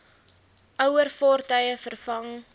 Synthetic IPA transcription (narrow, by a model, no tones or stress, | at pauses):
ʔœwərfɔrtœjəfərfɐŋ